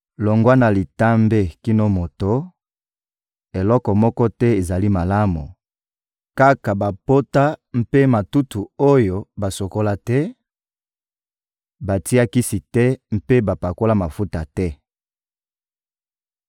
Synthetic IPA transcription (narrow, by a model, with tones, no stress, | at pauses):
lo˨ŋɡwa˦na˨li˨ta˦mbe˦ki˦no˦mo˨to˦ | e˨lɔ˦kɔ˨mɔ˦kɔ˦tɛ˦e˨za˨li˦ma˨la˦mṵ˨ | ka˦ka˨ba˨po˦ta˦m̩˦pe˦ma˨tu˦tʰu˨o˦jo˦ba˨so˨ko˦la˦tɛ˦ | ba˨ti˦a˦ki˦si˨tɛ˦m̩˦pe˦ba˨pa˨ko˦la˦ma˨fu˦ta˨tɛ˦